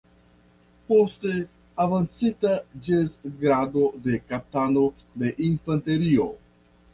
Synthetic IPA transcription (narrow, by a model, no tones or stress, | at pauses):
poste̞ | avant͡sitad͡ʒezɡɾado̞de̞kap̚tano̞ | de̞ʔinfante̞ɾio̞